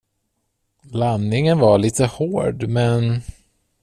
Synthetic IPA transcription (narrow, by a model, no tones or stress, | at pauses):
lanːɪŋənvaɭiːt̪ʰəhoːɖmɛn